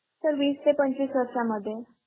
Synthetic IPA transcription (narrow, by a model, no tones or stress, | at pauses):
səɾʋiːst̪epəɲt͡ɕʋiːsʋəɾsaməd̪ʱːje